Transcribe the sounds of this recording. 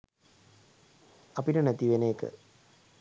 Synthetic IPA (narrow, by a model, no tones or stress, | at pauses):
ɐpinənæt̪iʋeneːkə̰